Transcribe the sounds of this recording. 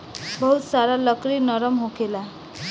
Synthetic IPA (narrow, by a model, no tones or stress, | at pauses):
bʌɦut̪saɾalʌkɾinʌɾəmɦokʰela